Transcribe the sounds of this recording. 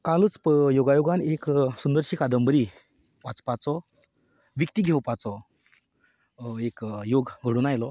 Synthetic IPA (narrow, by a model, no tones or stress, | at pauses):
kalut͡spjoɡajoɡãneksund̪əɾɕiːkad̪əmbəɾi | ʋat͡spat͡sɔ | ʋikt̪iɡʱɛwpat͡sɔ | ekjoɡɡʱəɽuːnajlɔ